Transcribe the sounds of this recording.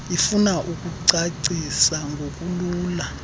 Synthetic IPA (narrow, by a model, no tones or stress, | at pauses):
ifunaʔukʼuǀaǀisaŋɡʱokʼuluːla